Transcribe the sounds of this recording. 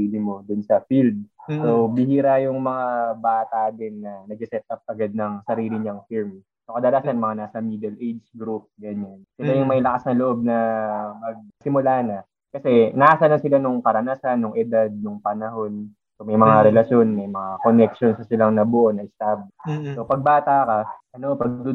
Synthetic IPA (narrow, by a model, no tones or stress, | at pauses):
iːlɪmo̞d̪ʊnsɐfild̪̚sobɪhiːɾajʊŋmɐŋabaːt̪ad̪ɛnːɐnɐɡ̚sɛsɛt̪̚ʔap̚ʔɐɡad̪̚nɐŋsɐɾiːlɪɲɐŋfilm | sokɐd̪ɐlasɐnmɐŋanaːsɐmid̪ɛlʔejd͡ʒsɡɾup̚ɡɐɲansɪlajʊŋmɐjlɐkasnɐloʔo̞b̚nɐmɐɡ̚sɪmʊlaːnɐ | kɐsɛnasɐlɐŋsɪlanʊŋkɐɾɐnaːsanːʊŋʔɛd̪ad̪̚nʊŋpɐnɐɦo̞n | somɐjmɐŋaɾɛlɐʃjo̞nmɐjmɐŋako̞nɛkʃonsɐsɪlaŋnɐbʊʔonɐʔɪst̪ab̚so̞pɐɡ̚baːt̪akaʔɐno̞pɐɡd̪u